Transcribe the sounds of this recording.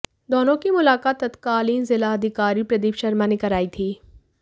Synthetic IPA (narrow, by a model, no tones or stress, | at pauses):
d̪oːnõkimʊlaːkaːt̪ːɐt̪kaːliːnzɪlaɐd̪ʱɪkaːɾipɾɐd̪iːpʃɐɾmanɪkɐɾaːit̪ʰiː